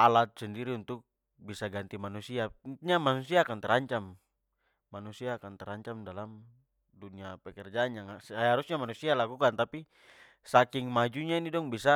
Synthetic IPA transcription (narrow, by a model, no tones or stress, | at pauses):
alat̪̚sɛndiɾiunt̪uk̚ | bisaɡant̪imanusiaɲamanusiaːkant̪ɛɾaɲt͡ʃamː | anusiaːkant̪ɛɾaɲt͡ʃamdalam | duniapɛkɛrd͡ʒaɲaŋahaɾusɲamanusialakukant̪api | sakiŋmad͡ʒuɲainidɔŋbisa